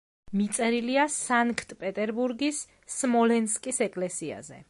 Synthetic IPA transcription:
mit̪sʼɛɾiliasaŋkʰt̪ʼpʼɛt̪ʼɛɾbuɾɡisː | mɔlɛnskʼisɛkʼlɛsia̰zɛ̰

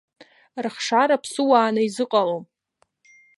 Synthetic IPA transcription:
rχʂaɾapʰsɨwaːnaizɨqʼalom

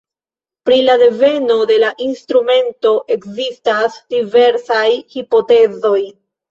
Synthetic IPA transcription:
pɾilade̞ve̞no̞de̞laʔinstɾume̞nto̞ʔe̞kzistasd̥ive̞ɾsajhipo̞te̞zo̞j

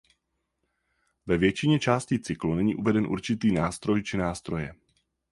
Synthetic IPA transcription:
vɛvjɛt͡ʃɪɲɛt͡ʃaːscit͡sɪklunɛɲḭːʔuvɛdɛnʔṵɾt͡ʃɪt̪iːnaːst̪ɾo̞jt͡ʃɪnaːst̪ɾo̞jɛ

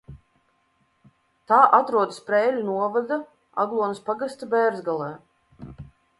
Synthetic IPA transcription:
t̪aːʔat̪ɾuɔd̪ɨspɾɛːlʲunuɔvad̪a | a̰ɡlˠuɔnɨspaɡast̪abɛːɾzɡalˠɛː

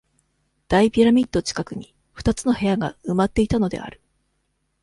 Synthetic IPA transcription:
d̪̥aipʲiɾamʲit̪ːo̞t͡ɕi̥kakɯ̟ɲ̟i | ɸɯ̟t̪at͡sɨno̞he̞jaɡaɯ̟mat̪ːe̞it̪ano̞d̪e̞̰a̰ɾɯ̟̥

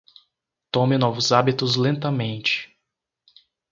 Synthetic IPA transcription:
t̪õmɪnɔvʊzabit̪ʊzlẽnt̪ɐmẽnt͡ʃɪ̥

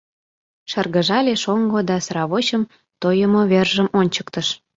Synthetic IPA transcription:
ʃərɣəʒɑlʲeʃoŋɡod̪ɑsrɑβot͡ɕəm | t̪ojəmoβerʒəmonʲt͡ɕə̥kt̪əʃ

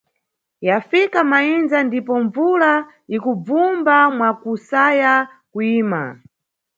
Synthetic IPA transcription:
jafikamainzandipɔɱvula | ikub͡vumbamwakusaja | kuiːma̰

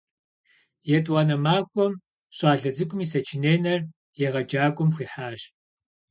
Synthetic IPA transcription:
jɛtʼwɑːnɐmaːxʷɔm | ɕʼaːɮɐd͡zɨkʷʼʊmiːsɐt͡ʃʰineːnɐr | jɛʁɐd͡ʒaːkʷʼʊmxʷiːħaːɕ

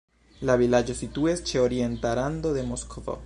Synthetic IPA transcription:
lavilad͡ʒo̞situest͡ʃe̞o̞ɾie̞ntaɾand̪od̪emoskʰovo̰

